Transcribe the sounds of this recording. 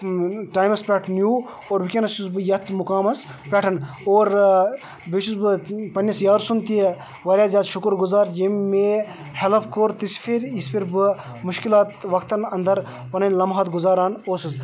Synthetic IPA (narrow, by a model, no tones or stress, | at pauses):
ʈaːjmɐspʲeʈʰnjuː | oːɾʋikʲɐnɐsusbɨjɐt̪ʰmukaːmɐs | pʲɛʈʰɐnoːɾ | bet͡ʃusbɨpɐnʲjɐsjaːɾsunt̪i | ʋɐɾʲjaːzʲaːt̪ʃukɾɡuzaːɾjimːe | helɐpʰkoɾt̪ispʰiɾispʰiɾbɨ | muʃkilaːt̪ʋɐkʰt̪ɐnɐnd̪ɐɾ | pɐnɐnʲlɐmɦɐt̪ɡuzaːɾaːnoːsɨs